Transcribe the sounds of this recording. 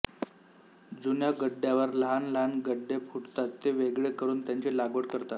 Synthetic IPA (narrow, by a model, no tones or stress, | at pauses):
d͡zunjaɡəɖːjaʋəɾləɦanləɦanɡəɖːepʰuʈt̪at̪ːeʋeɡɭekəɾuːnt̪jaɲt͡ɕelaɡʋəɽkəɾt̪at̪